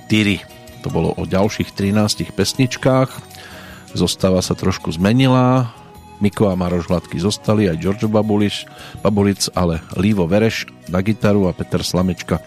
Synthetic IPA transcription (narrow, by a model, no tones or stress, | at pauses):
t̪iɾi | t̪ɔbɔlɔ̰ʔɔɟalʃiːxt̪ɾinaːscixpɛsɲit͡ʃkaːx | zɔst̪aːʋasat̪ɾɔʃkuzmɛɲilaː | mikɔamaɾɔʒɦlat̪kizɔst̪aliajd͡ʒɔɾd͡ʒɔbabulib̥abɔlit͡sa̰lɛliːʋɔʋɛɾɛʃnaɡit̪aɾuapɛt̪ɛɾslamɛt͡ʃka